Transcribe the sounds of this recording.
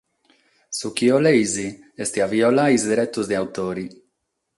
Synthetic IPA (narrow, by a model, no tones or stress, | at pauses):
sukiolejzi | est̪iaviolaizd̪ɾɛt̪ːuzd̪eawt̪oːɾi